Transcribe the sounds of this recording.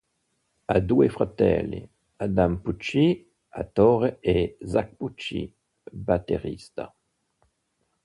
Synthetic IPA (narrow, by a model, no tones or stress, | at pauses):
ad̪uefʁat̪ɛ̰lḭ | ad̪amput͡ʃi | a̰t̪ɔʁeezak̚put͡ʃḭ | bat̪eʁist̪a̰